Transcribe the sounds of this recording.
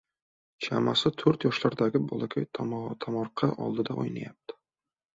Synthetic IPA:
t͡ʃʰa̰masɪt̪ʰɵɾt̪jɒʃlaɾd̪aɡʲɪbɒlˠakʲʰajt̪ʰt̪ʰamɒɾqʰɑʔɒ̰lˠd̪ɪd̪aʔo̰jna̰jap̚t̪ʰɪ̥

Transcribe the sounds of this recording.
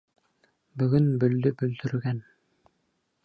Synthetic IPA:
bɵɡɵnbɵld̪ɵbɵld̪ɵ̆ɾɡæn

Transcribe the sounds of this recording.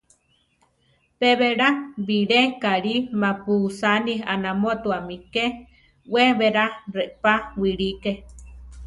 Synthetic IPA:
peβeɾaβiɾekaɾimapusanihanamot̪uamike | weβeɾareʔpawiɺike

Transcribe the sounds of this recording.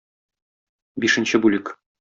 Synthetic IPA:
bʲiʂɘ̆nʲɕɘbulʲɘk

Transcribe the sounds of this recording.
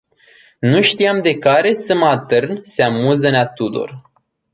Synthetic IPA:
nuʃt̪ijamd̪e̞kaɾe̞sɨmat̪ɨrnseamuzəneat̪ud̪o̰r

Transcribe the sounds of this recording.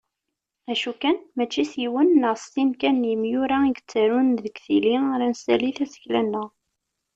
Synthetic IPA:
æʃukænmæt͡ʃːisjiwənːəʁsinkænjəmjuɾaiɡət͡sːæɾunðəɡθiliɾænsæ̰liθæsə̥çlænːəʁ

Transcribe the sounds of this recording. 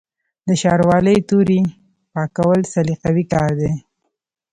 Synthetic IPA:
d̪əʃɑɾwɑləjt̪uɾi | pɑkawəlsaliqawikɑɾd̪e

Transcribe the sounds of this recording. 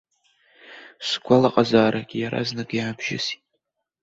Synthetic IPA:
sɡʷalaqʼazaːɾakʲʼjaɾa̰znɨkʼjaːbʒɪ̰si̥

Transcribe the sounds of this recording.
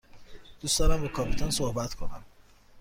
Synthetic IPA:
d̪̥uːsd̪ɒːɾæmbekʰɒːpʰit̪ʰonsohbæt̪kʰo̞næ̰m

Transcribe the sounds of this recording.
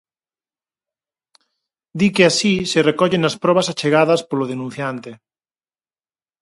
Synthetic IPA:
d̪ikeasiserekɔʎenaspɾɔβ̞asat͡ʃeɣaðɐspoloð̞enũn̟θjant̪e

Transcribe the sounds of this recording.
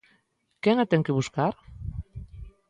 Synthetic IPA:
keŋat̪eŋkeβuskaɾ

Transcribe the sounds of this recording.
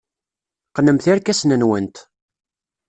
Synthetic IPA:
qnəmθaɾkæsnənwənt̪

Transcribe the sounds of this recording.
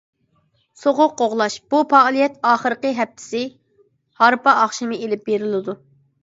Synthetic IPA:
soʁʊqːoʁlˠɑʃb̥upɑlˠijɛt̪ɑːχəɾəqəɦɛp̚t̪ʰɪ̥sɪ | hɑɾpɑʔɑχʃɪmɨelɪp̚beɾɪlɪd̪u

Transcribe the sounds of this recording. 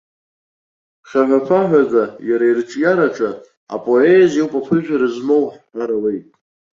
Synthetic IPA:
χʲaʕʷapʰaħᶣʷazajaɾairʈ͡ʂʼjaɾaʈ͡ʂʼa | a̰pʼo̞ezowpʼapʰɨʒᶣaɾɨzmo̞wħħʷaɾawejtʼ

